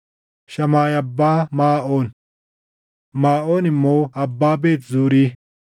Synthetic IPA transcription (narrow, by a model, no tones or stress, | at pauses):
ʃɐmaːjɐbːaːmaːʔo̞ːn | maːʔo̞ːnɪmːowɐbːaːbe̞ːt̪zuːɾiː